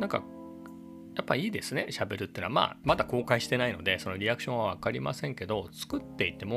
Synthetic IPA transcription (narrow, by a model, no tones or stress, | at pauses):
nãŋka̰ | japːaiːd̪e̞sɨne̞ɕabe̞ɾɯ̟t̪ːeːnama̰ːmad̪ako̞ːkaiɕi̥t̪e̞naino̞d̪e̞so̞no̞ɾʲiakɯ̟̥ɕõ̞aβakaɾʲima̰sẽŋke̞d̪o̞t͡sɨ̥kɯ̟t̪ːe̞it̪ːe̞mo